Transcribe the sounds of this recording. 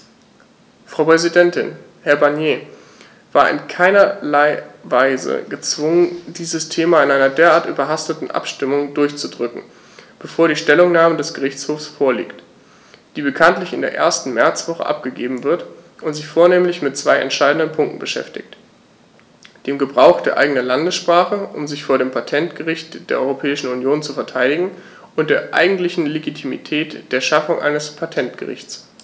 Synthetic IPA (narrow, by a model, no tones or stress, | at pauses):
fʁ̥ɑʊpʁ̥ɛzidɛntɪ̰n | hɛɐbaɐnjeː | v̥aːɐʔɪ̰nkʰaɪnɐlaɪvaɪzə̰ɡət͡sv̥ʊŋəndiːzəstʰeːmaɪnʔaɪnɐdeːɐʔaːɐtʔy̰ːbɐɦastətn̩ʔa̰pʃtɪmʊŋdʊɐçt͡sudʁʏkŋ̩ | b̥əfoːɐɾiːʃtɛlʊŋnaːmədɛsɡ̥əʁɪçt͡shoːfsfoːɐlḭːkt | d̥iːbəkʰantlɪçɪndeːɐʔḛːɐstn̩mɛɐt͡sv̥ɔχə̰ʔa̰p̚ɡ̥əɡeːbm̩vɪɐtʔʊntz̥ɪçfoːɐneːmlɪçmɪt̚t͡sv̥aɪʔɛ̰ntʃaɪdn̩dənpʰʊŋk̚tn̩b̥əʃɛ̰ftɪ̰çt | d̥eːmɡəbʁaʊxd̥eːɐʔa̰ɪɡənɐlandəsʃpʁ̥aːχəʔʊ̰mzɪçfoːɐɾeːmpʰatʰɛntɡ̥əʁɪçt̚d̥eːɐʔɔʏʁopʰɛːɪʃn̩unjoːnt͡sufɛɐtʰaɪɾɪɡŋ̩ | ʔʊntd̥eːɐʔa̰ɪɡŋ̩tlɪçn̩leɡitʰimḭtʰɛːtd̥eːɐʃafʊŋʔa̰ɪnəspʰatʰɛntɡ̥ə̰ʁɪ̰çt͡s